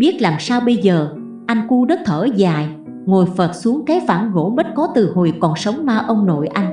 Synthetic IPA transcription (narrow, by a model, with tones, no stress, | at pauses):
ɓi˦˥ət̚laː˨˩msaː˧wɓə˧jzəː˨˩ | ʔa˧jŋ̟ku˧ɗə˦˥t̚t̪ʰəː˧˩zaː˨˩j | ŋo˨˩jfə˨˩t̚su˨˦əŋkaː˨˦jfaː˧˩nɣo̰˧˥ɓə˦˥t̚kɔ˨˦t̪ɨ˨˩ho˨˩jkɔ˨˩nsə˨˦wŋ͡mmaː˧˩ʔə˧wŋ͡mno̰˧˨jʔa˧jŋ̟